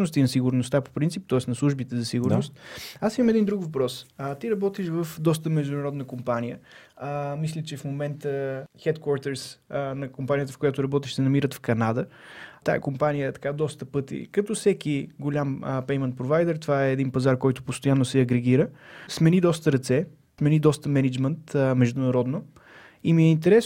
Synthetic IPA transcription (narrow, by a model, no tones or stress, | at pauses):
nʊst̪inɐsiɡʊɾnʊst̪apo̥pɾintsip̚t̪ɔɛsnɐslˠuʒbit̪ɛzɐsiɡuɾnost̪asimɐmɛd̪ind̪ɾukvɐpɾɔsət̪iɾɐbɔt̪iʃvəfd̪ɔs̬t̪əmɛʒd̪ʊnɐɾɔd̪nəkompanijə | mislʲit͡ʃɛfmomɛnt̪əxɛt̪kwɔɾt̪ɛɾsnɐkompanijət̪əfkojat̪ʊɾɐbɔt̪iʃsɛnɐmiɾət̪fkɐnad̪ət̪a̰ɛ̰kompanijəɛt̪ɐ̥kad̪ɔst̪əpɤt̪ḭkɐt̪ɔfsɛk̟iɡolʲampɛjmɛnt̪̚pɾovajd̪ɛɾt̪ovaɛːd̪inpɐzaɾkɔjt̪ʊpost̪ojanːosɛɐɡɾɛɡ̟iɾəsmɛnid̪ɔst̪əɾɐt̪sɛ | smɛnid̪ɔst̪əmɛnɛd͡ʒmɛnt̪mɛʒd̪ʊnɐɾɔd̪no | imiɛint̪ɛɾɛs